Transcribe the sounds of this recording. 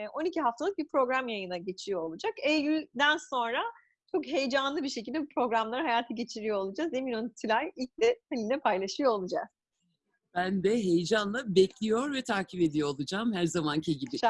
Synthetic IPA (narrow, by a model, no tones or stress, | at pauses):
ʔo̞nicʰiɦaft̪ʰalˠɯk̚bipɾo̞ɡɾamjajɯnaɟe̞t͡ʃʰijo̞olˠud͡ʒakɛjjylʲd̪ænso̞nɾa | t͡ʃʰo̞kɦe̞jd͡ʒanlˠɯbiɾʃecilʲd̪ɛbupʰɾo̞ɡɾamlˠaɾɯɦajaːt̪ʰaɟe̞t͡ʃʰiɾijo̞olˠud͡ʒazeminont̪ʰilʲajilʲc̚d̪ɛt̪elʲind̪ɛpʰajlˠaʃɯjoolˠud͡ʒaz̥ | b̥ænb̪ɛɦejd͡ʒanlˠabɛclʲijo̞ɾvɛt̪ʰaːcʰipe̞d̪ijoolˠud͡ʒamhæɾzamancʰiɟibi